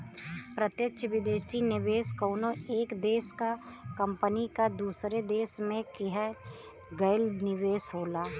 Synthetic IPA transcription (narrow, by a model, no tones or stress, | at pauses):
pɾət̪jəkʃʰʋɪd̪eːsinɪʋeːskoːnoeːkd̪eːskakə̃mpənikad̪uːsɾed̪eːsmẽkɪɦɛ | ɡəɪlnɪʋeːsɦoːlaː